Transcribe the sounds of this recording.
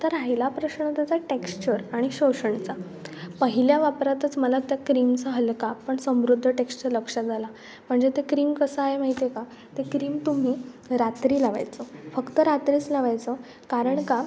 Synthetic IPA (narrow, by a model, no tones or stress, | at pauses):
t̪əɾajlapɾəɕɳət̪jat͡saʈekst͡ɕəɾaɽ̃iɕoɕəɳt͡sa | pəɦiljaʋapɾat̪ət͡sməlat̪jakɾimt͡səɦəlkapəɳsə̃mɾud̪ʱːəʈekst͡ɕəɾləkʂad͡zʱala | m̤əɳd͡zet̪ekɾiːmkəsəaɦemaɦit̪eka | t̪ekɾiːmt̪um̤iː | ɾat̪ɾiːlaʋa̰jt͡səfəkt̪əɾat̪ɾiːt͡slaʋajt͡sə | kaɾəɳka